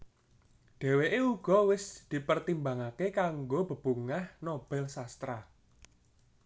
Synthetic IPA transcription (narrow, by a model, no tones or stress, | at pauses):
ɖ̪̥e̤weʔeuɡ̥ɔ̤wɪsd̪̥i̤pərt̪imbaŋakekaŋɡob̥ə̤b̥ṳŋahnob̥ɛ̤lsast̪ɾa